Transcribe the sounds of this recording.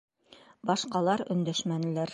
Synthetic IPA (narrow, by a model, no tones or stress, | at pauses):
bɑʃqɑlˠɑɾɵ̆nd̪æʃmænlæɾ